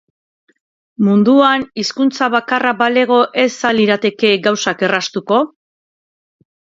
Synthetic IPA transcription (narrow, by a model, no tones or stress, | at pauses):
mund̪uaniskunt͡saβakarabale̞ɣ̞o̞ʔe̞saliɾat̪e̞ke̞ɡawsake̞rast̪uko̞